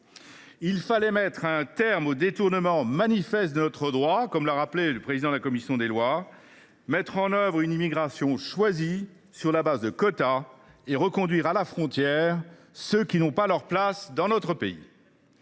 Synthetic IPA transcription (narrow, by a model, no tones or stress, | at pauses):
ilfalɛmɛt̪χɛ̃t̪ɛʁmod̪et̪uʁnəmɑ̃manifɛst̪̚d̪ənɔt̪χəd̪ʁwakɔmlaʁapleləpχezid̪ɑ̃d̪əlakɔmisjɔ̃d̪elwa | mɛt̪χɑ̃nœvʁynimiɡʁasjɔ̃ʃwazi | syʁlabazd̪əkɔt̪a | eʁəkɔ̃d̪ɥiʁalafχɔ̃t̪jɛʁ | søkʲinɔ̃palœʁplasd̪ɑ̃nɔt̪χəpeḭ